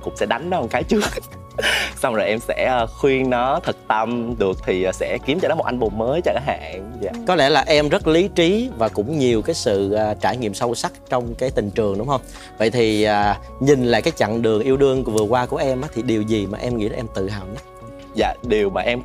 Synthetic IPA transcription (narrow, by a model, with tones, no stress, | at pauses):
kʊ̰˧˥ŋ͡msɛ̰˧˥ɗa˨˦jŋ̟ɗɔ˨˦˨kaː˨˦jt͡ɕɨ˦˥ək̚ | sa˧wŋ͡mzoː˨˩jʔɛ˧msɛ̰˧˥˧xwi˧əŋnɔ˨˦t̪ʰɨ˨˩k̚t̪ə˧mɗɨ˨˩ək̚t̪ʰi˨˩˨sɛ̰˧˥ki˨˦əmt͡ɕɔ˧nɔ˨˦o˨˩t̚ʔa˧ŋɓo˨˩nməː˨˦jt͡ɕɔ˧kaː˨˦ha̰ː˧˩˨ŋza̰ː˧˨kɔ˨˦lɛ̰˧˩laː˨˩ʔɛ˧mzə˦˥t̚li˨˦t͡ɕi˨˦vaː˨˩kʊ̰˧˥ŋ͡mɲi˨˩əwkaː˨˦jsɨ̰˧˨əː˨˩t͡ɕaː˧˩jŋḭ˧˨əmsə˧wsa˦˥k̚t͡ɕɔ˧wŋ͡mkaː˨˦jt̪ï˨˩ŋ̟t͡ɕɨ˨˩əŋɗʊ˨˦ŋ͡mhə˧wŋ͡m | və̰˧˨jt̪ʰi˨˩ʔaː˨˩ | ɲï˨˩nlaː˧˨kaː˨˦jt͡ɕa̰˧˨ŋɗɨ˨˩əŋʔi˧əwɗɨ˧əŋkvɨ˨˩əkwaː˧ku˧˩əʔɛ˧mʔaː˨˦t̪ʰi˨˩ɗi˨˩əwzi˨˩maː˨˩ʔɛ˧mŋḭ˧˥la˧ʔɛ˧mt̪ɨ̰˧˨ha̰ː˨wɲə˦˥t̚ | za̰ː˧˨ɗi˨˩əwmaː˨˩ʔɛ˧m